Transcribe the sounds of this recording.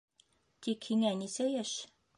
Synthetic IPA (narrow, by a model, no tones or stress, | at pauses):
t̪ʲikhiŋænisæjæʃ